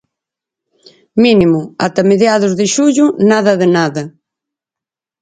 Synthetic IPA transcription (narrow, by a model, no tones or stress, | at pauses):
minimʊat̪ɐmeðjaðʊzðɪʃuʎʊnaðɐðɪnaðɐ